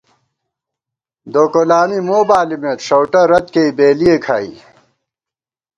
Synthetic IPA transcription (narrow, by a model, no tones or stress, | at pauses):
d̪oːkolaːnimoːbaːlimeːt̪ʂɐwʈɐɾɐt̪keibeːlijekʰaːḭː